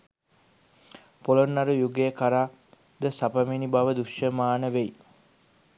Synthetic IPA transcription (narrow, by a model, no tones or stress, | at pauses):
polonːaɾujuɡejəkaɾaː | d̪əsapəminibaʋəd̪uʃjəmaːnəʋej